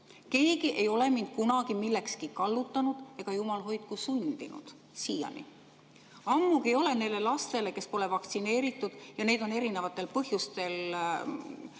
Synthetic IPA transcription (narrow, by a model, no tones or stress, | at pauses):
ke̞ːɡ̥iʔe̞jo̞le̞mind̪̥kunɑɡ̥imilːekskikɑlːut̪ˑːɑnud̪̥e̞ɡ̥ɑjumɑlɦo̞jt̪̚kusund̪̥inṵd̪̥ | siːjɑ̰nḭ | ɑmːuɡio̞le̞ne̞lːe̞lɑst̪e̞le̞ke̞spo̞le̞vɑkt̪sine̞ːɾit̪ːˑud̪̥jɑne̞ːd̪o̞ne̞ɾine̞vɑt̪ːˑe̞lpɤhjust̪e̞l